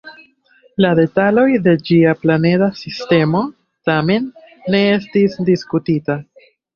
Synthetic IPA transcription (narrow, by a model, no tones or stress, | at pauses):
lade̞talo̞jde̞d͡ʒiaplane̞dasiste̞mo̞ | tame̞nː | e̞e̞stisdiskutita